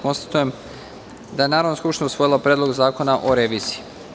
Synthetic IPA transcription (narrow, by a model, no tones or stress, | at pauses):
ko̞nst̪ḁt̪uje̞m | d̪ajenaːɾaʋnoskupʃt̪inousʋo̞jilˠopɾʲed̪lˠo̞ɡzaːko̞naʔoɾeʋiːz̥iː